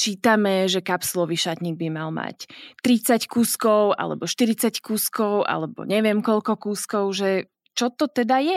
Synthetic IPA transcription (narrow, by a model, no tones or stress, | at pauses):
t͡ʃiːt̪amɛʒɛkapslɔʋiʃat̪ɲiːɡ̚bimalma̰ct̪ɾit͡sackuːskɔʊʔa̰lɛ̰bɔʃt̪iɾit͡sackuːskɔʊʔa̰lɛbɔ̰ɲɛʋɪɛmkɔʎkɔkuːskɔʊʒɛ | t͡ʃɔt̪ɔt̪ɛd̪ajɛ